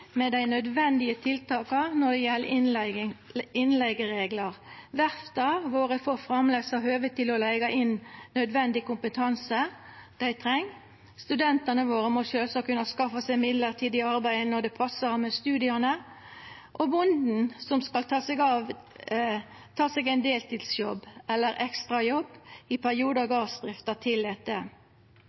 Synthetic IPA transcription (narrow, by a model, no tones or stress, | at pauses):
mɛd̪æɪnœd̪ʋɛnd̪ɪət̪ʰɪlt̪ʰɑːkɑɾnɔd̪ɛjɛlː | ɪnlɛɡəʁeːɡləʁʋæʁtt̪ɑʋoːʁəfɔʁfɾɑmlɛsɑɦøːʋət̪ɪlɔlæɪɡɑʔɪnːœd̪ʋɛnd̪ɪkʊmpət̪ʰɑnsəd̪̥æɪt̪ʰʁɛŋː | st̪ʉd̪ɛnt̪ənəʋoːʁəmɔʃøːlsɑkʉnːɑskɑfɑsæɪmɪd̪ləʁt̪ʰiːd̪ɪɑʁbæɪnɔd̪ɛpʰɑsːəmɛst̪ʉːd̪ɪɑnə | ʔɔbʊnd̪n̩sɔmskɑlt̪ʰɑːsɛɡɑːʋ | t̪ʰɑːsɛːɡæɪnd̪eːlt̪iːd̪sjɔbɛlːəɾʔɛkst̪ʁɑjɔbːɪpʰæɾɪuːd̪ɑɡɑːʋst̪ɾɪft̪ət̪ʰɪlɛt̪ːə